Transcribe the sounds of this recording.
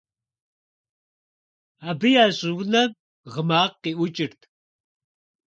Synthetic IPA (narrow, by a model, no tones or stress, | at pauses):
abɨjaːɕʼɪwnɐ | ʁəmaːqːiʔʷʊt͡ʃʼɪrt̪ʰ